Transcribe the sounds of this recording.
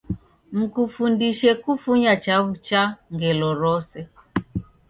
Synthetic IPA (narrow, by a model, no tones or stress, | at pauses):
m̩kufundiʃɛkufuɲat͡ʃaβut͡ʃaŋɡɛlɔɾɔsɛ